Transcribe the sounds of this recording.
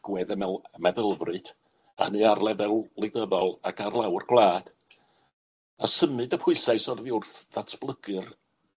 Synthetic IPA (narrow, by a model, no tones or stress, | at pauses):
ɡ̥wɛðəmɛlmɛðəlˠvrɨd̥ | a̰nɨarlˠɛvɛlˠlˠɪɡdəvɔlˠakʰarlˠawrɡwlˠaːd̥ | a̰səmɨdəpʰʊɨsajsɔrðiʊrθð̥atʰb̥lˠəɡɨr